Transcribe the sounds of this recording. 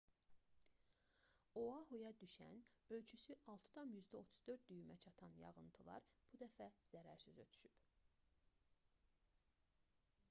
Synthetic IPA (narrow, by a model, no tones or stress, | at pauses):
oɑhujɑd̪yʃæ̰nø̞lt͡ʃʰysyʔɑlˠt̪ʰɯ̥d̪ɑmjyzd̪æo̞t̪ʰu̥zd̪ø̞ɾd̪̚d̪yjymæt͡ʃʰɑt̪ʰɑnjɑ̰ʁɯnt̪ʰɯlˠɑ̰ɾb̥ud̪æfæz̥æɾæ̰ɾsyzø̞t̪ʰy̥ʃyp